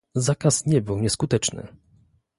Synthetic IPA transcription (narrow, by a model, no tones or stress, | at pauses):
zakasɲɛbɘwɲɛskut̪ɛt͡ʂnɘ̰